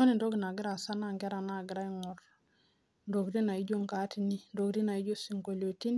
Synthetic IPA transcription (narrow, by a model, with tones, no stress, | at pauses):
o˦ni˨ndo˦ɡi˨na˨ɡi˦ɾa˨sa˦na˦ŋɡe˦ɾa˨na˨ɡi˨ɾa˦i˦ŋo˨ɾ | ndo˨ɡdi˦na˨i˦ɟo˦ŋka˨˦ti˦ni˦ndo˨ɡdi˦na˨i˦d͡ʒo˦si˨ŋko˨lo˨ti˦n